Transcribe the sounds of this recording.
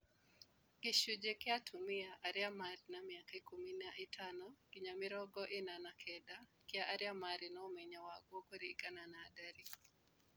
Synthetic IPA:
kɪʃud͡ʒekɪatʰumɪaʔaɾɪamaɾnamiakaɪkuminaʔɪtʰanɔɡɪɲamɪɾɔɡɔʔɪnanakʰɛdakɪaʔaɾɪjamaɾɪnɔmeɲawaɡwokoɾiɡananaːdaɾi

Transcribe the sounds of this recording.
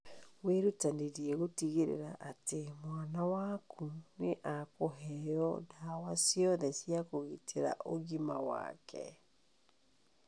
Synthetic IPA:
weɾutaneɾiɛɣotiɣeɾḛɾaʔatemwanawakʰuneʔakoɦɛjɔnaːwasiɔðɛsiakoɣitʰeɾa̰ʔoɣimawa̰kʰɛ̰

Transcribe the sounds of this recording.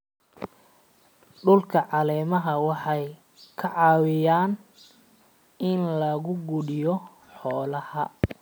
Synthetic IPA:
ɖʊlkʰɐʕɑlɛːmɐɦɐwɑħɑj | kʰɐʕɑːwɪjaːn | ɪnlɐɣʊɡʊɽɪjɔ | ħɔːlɐhɐ

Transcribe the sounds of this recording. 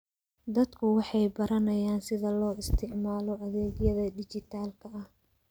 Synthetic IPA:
d̪ɐd̪kʰʊwɑħɑjbɐɾɐnɐjaːnsɪðɐlɔːɪst̪ʰɪʕmaːlɔʔɐðɛːɡjɐðɐɖɪt͡ʃɪt̪ʰaːlkʰɐɐh

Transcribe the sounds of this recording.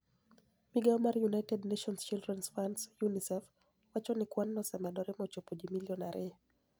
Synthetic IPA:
miɡaɔmarjunajtɛdneʃɔnst͡ʃildɾɛnsfansjunisɛf | wat͡ʃɔnɪkwanːɔsɛmɛdɔɾɛmɔt͡ʃopod͡ʒimiljɔnaɾʔɪ

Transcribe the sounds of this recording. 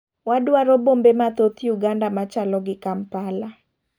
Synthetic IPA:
wadwaɾɔbombemat̪ot̪juɡandamat͡ʃalɔɡɪkampala

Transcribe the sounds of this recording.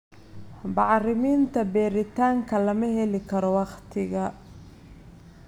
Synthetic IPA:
bɑʕrɪmiːnt̪ʰɐbɛːɾɪt̪ʰaːŋkʰɐlɐmɐhɛlɪkʰɐɾɔwɑqt̪ʰɪɣɐ

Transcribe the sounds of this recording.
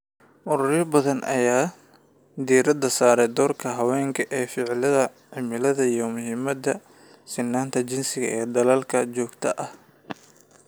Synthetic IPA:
ʔʊɾʊrjɐbɐðɐnɐ̰jaː | d̪iːɾɐd̪ɐsaːɾɛd̪ɔːrkʰɐɦɐwɛːŋkʰɐʔɛːfɪʕlɐðɐ | ʕɪmɪlɐðɐijɔmʊhɪmɐd̪ɐ | sɪnːaːnt̪ʰɐt͡ʃɪnsɪɣɐɛːd̪ɐlɐlkʰɐt͡ʃɔːɡt̪ʰɐʔɐh

